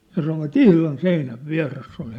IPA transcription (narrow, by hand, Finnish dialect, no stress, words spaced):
jɑ sɑnoʋɑt ihlɑn seinæʋ ʋiæ̝resː ol